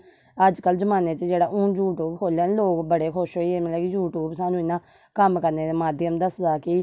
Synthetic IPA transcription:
əd͡ʒkəlzəmaːneːt͡ʃd͡ʒeːɽaːʔũːjuːʈuːbkʰoːlɛːnːloːkbəɽeːkʰʊʃɦoːieːmlɛːkijuːʈuːbsaːnũːɪnːãː | kəmkəɾneːd̪eːmaːd̪jəmd̪əsd̪aːki

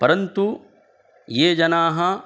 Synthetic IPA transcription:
pɐɾɐnt̪u | jeːd͡ʒɐnaːɦɐ

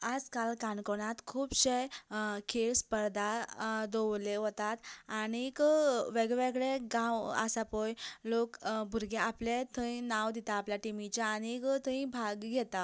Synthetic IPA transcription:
ad͡zkalkankoɽat̪kʰuːbɕekʰeɭspəɾd̪ʱad̪owleɦot̪at̪añikʋeɡʋeɡɭeɡãwa̰sapɔjlokbʱuɾɡeaplet̪ʰəĩnawd̪it̪aːpljaʈimit͡ɕaːɽ̃ikt̪ʰəĩbʱaɡɡʱɛt̪a

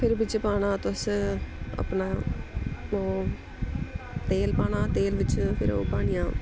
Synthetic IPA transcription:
pʰɪɾbɪt͡ʃpaːɽaːt̪ʊs | ə̰pnaː | oː | t̪eːlpaːɽaːt̪eːlʋɪt͡ʃpʰɪɾo̰ːpaːɽ̃ijãː

